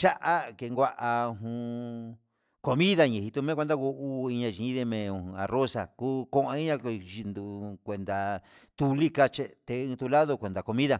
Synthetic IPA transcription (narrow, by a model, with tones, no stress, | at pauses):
t͡ʃa˦ʔa˦ke˧ŋɡʷa˦˧ʔa˧ɦũ˧ | ko˧mĩ˦ða˧ɲĩ˧˨ɦi˧t̪u˧mẽ˦kʷe˧nd̪a˦˧ɣu˧ʔu˦˧i˧ɲã˧ʒĩ˨ĩ˦ðe˧mẽ˧˨˧a˨ro˦sa˨ku˦kõ˦ʔã˧i˦ɲã˧ʒi˧nd̪u˧kʷe˨nd̪a˨ | t̪u˧li˦ka˧t͡ʃe˧t̪e˧ĩ˧t̪u˧la˦ðo˧kʷe˨nd̪a˨ko˧mĩ˦ða˧